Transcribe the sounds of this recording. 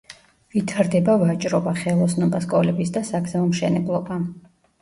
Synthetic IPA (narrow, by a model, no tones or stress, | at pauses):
vit̪ʰaɾd̪ɛbavat͡ʃʼɾɔbaχɛlˠɔsnɔbaskʼɔlɛbisd̪asaɡzaɔmʃɛnɛblˠɔba